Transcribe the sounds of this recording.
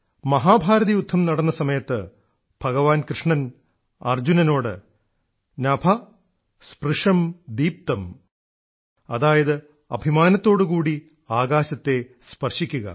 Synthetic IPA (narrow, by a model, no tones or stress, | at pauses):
mɐɦaːbʱaːɾɐðijud̪ʱːɐmnɐɽɐnːɐsɐmɐjɐt̪ːɨ | b̥ʱɐɣɐʋaːnkrɨʂɳɐn | ɐ̰rd͡ʑunɐno̞ːɽɨ̰ | nɐbʱɐ | sprɨʂɐmd̪iːp̚t̪ɐm | ɐðaːjɐðɨ | ɐ̰bʱimaːnɐt̪ːo̞ːɽɨkuːɽi | aːɣaːɕɐt̪ːe̞ | spɐrʂikʲːuɣɐ̰